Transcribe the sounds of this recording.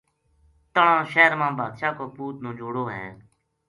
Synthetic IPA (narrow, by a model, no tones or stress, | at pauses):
t̪əɳãːʃɛːəɾmãːbʱaːd̪ʃaːkoːpuːt̪nõːd͡ʒoːɽoːɦɛ̰̃ː